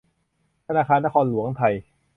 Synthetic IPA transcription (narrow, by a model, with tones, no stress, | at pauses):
t̪ʰa˧naː˧˩kʰaː˧nːa˦˥kʰɔː˧nlu˨˩˦əŋt̪ʰa˧j